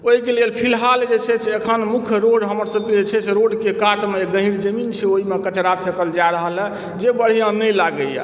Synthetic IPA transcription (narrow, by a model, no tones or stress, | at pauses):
oɦikelelpʰilɦald͡ʒet͡ʃʰɛseekʰənmukʰjɾoɖɦəməɾsəb̚ked͡ʒet͡ʃʰɛseɾoɖkekat̪meeɡə̃ɦiɽd͡ʒəmint͡ʃʰɛoɦimekət͡ʃɾapʰekəld͡ʒaɾəɦəlɛ | d͡ʒebəɽ̤ijãnəjlaɡəjɛ̰